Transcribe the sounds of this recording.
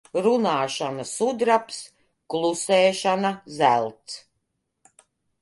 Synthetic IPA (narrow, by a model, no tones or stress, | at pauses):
ɾunaːʃanasud̪ɾaps | klˠusɛːʃanazælʲˠt̪s